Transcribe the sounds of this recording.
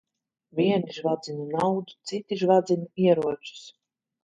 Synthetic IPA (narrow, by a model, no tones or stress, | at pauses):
vʲiɛniʒvad̪zinʲunawd̪ut̪sit̪iʒvad̪zinuiɛɾuɔt͡ʃu̥s